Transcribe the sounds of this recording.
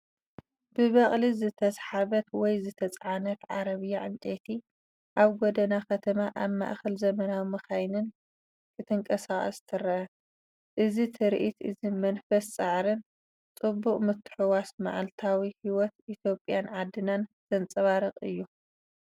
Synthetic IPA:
bɨβɐχʼlizɨt̪ʰɐsħaβɐt̪wɔjzɨt̪ʰɐt͡sʼʕanɐt̪ʕaɾɐβɨjaʕɨnt̪ʼet̪ʰi | ʔaβɡod̪ɐnakɐt̪ʰɐmaʔaβma̰ʔxɐlzɐmɐnawimɨxajnɨn | kʰɨt̪ʰɨŋkʼɐsaχʼɐ̰st̪ʰɨɾɐʔɐ | ʔɨzit̪ʰɨɾʔit̪ʔɨzimɐnfɐst͡sʼaʕɾɨn | t͡sʼɨbːuqʼmɨt̪ʰːɨ̥ħuwasma̰ʕa̰lt̪ʰawihiwɔt̪ʔit̪ʰjo̞pʼjanʕad̪ːɨnanz̥ɐnt͡sʼɐβaɾɐqʼɨ̰jːu

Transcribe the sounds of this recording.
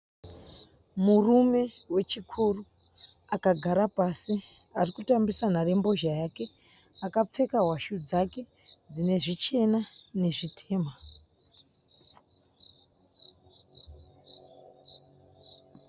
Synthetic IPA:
murume̞ | we̞t͡ʃikʰuru | akaɡʱaɾapasi | arikutambisanare̞mbo̞ʒajaːke̞ | akap͡fe̞kaɦwaʃud͡zake̞ | d͡zine̞ʐit͡ʃe̞nane̞ʐitʰe̞ːma

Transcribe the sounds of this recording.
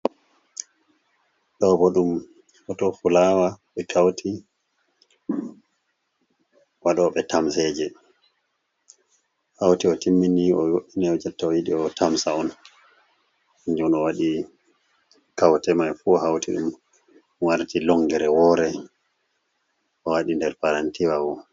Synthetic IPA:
ɗɔbɔɗum | ɔtɔfulaːwaɓɛkʰawtʰi | waɗɔɓɛtamsɛd͡ʒɛ | hawtiɔtimːiniɔjoɗinɛɔd͡ʒatːaɔjiɗiɔtʰamsaɔn | iɲd͡ʒunɔwaɗi | kawtɛmajfuɔɦawtiɗum | waɾtilɔŋɡɛɾɛwɔɾɛ | ɔwaɗindɛɾpaɾantiwawɔ

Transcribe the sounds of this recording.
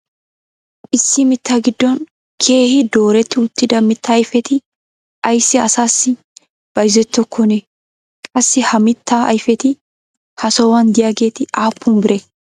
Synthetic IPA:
ʔɪsːɪmɪt̪ːaːɡɪd̪ːɔn | kʰe̞ːhɪd̪o̞ːɾɛt̪ːɪʊt̪ːɪd̪ɐmɪt̪ːɐːjfɛt̪ɪ | ɐjsːɪɐsaːsːɪ | b̥ɐjzɛt̪ːɔkʰːɔne | kʼɐsːɪhɐmɪt̪ːaɐ̰jfɛt̪ɪ | hɐsɔwɐnd̪ɪjaːɡe̞ːt̪ɪʔaːpʰːʊmbɪɾɛ

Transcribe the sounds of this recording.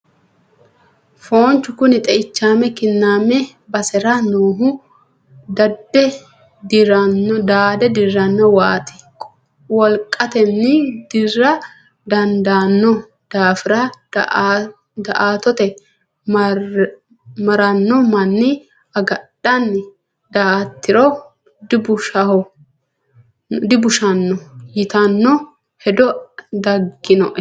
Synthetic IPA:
foːnt͡ʃʊkʊnɪt̪ʼɛɪt͡ʃːaːmɛkɪnːaːmɛ | bɐsɛɾɐnuːɦʊ | d̪ɐd̪ɛ | d̪ɾɐnːɔd̪aːd̪ɛd̪ɪrːɐnːɔwaːt̪ɪ̥ | wɔlkʼɐt̪ɛnːɪd̪̥ɪrːɐ | d̪ɐnd̪aːnːɔ | d̪̥aːfɪɾa | d̪ɐʔaːt̪ɔt̪ɛ | m | mɐɾɐnːɔmɐnːɪ | ɐɡɐɗɐnːɪ | d̪aːt̪ːɪɾɔ | d̪ɪbʊʃɐhɔ | d̪ɪbʊʃɐnːɔjɪt̪ɐnːɔ | hɛd̪ɔd̪ɐɡːɪnɔʔ

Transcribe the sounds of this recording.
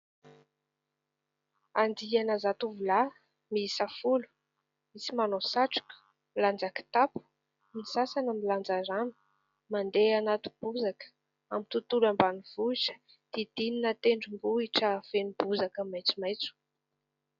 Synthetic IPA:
and̪ianəzat̪uvula | miisafulu̥ | misimanosaʈ͡ʂu̥kʲu̥ | miland͡zakə̥t̪apu̥ | misasanəmiland͡zaɾanu̥ | mand̪eanat̪u̥b̥uzakə̥ | amint̪ut̪ulambaniv̥uiʈ͡ʂə̥ | d̪̥id̪̥ininət̪eɳɖ͡ʐumbuiʈ͡ʂəv̥enibuzakəmajt͡sumajt͡su̥

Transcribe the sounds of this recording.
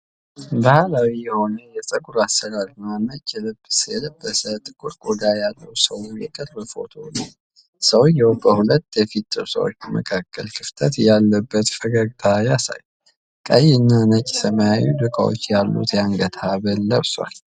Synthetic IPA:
bahalawijɛho̞nəjɛsʼəɡuɾasəlalmanːət͡ʃʼːjɛləbːɨsjɛləbːəsət̪ʼɨkʼuɾɡod̪ajalːəwsəwujɛ̰kʼəɾbəfo̞̰t̪ʰo̰n | səwjɛwbəhulət̪ːjɛfit̪ːəsə̰wo̰t͡ʃːbəmə̰kʰakːəlkʰɨft̪ʰət̪jalːəbːət̪fəɡaɡt̪ʰajasa̰j | kʼəjɪnːanət͡ʃʼi̥səməjajud̪ɨkʼa̰wo̰t͡ʃːjalːṵt̪jaŋɡət̪ʰaβəlːəβswa̰l

